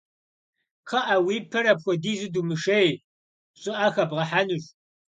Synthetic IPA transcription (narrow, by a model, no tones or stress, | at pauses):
qʰɐʔɐwiːpʰɐɾɐpxʷɔdiːzɨdumɨʂej | ɕʼɪʔɐxɐbʁɐħanɨɕ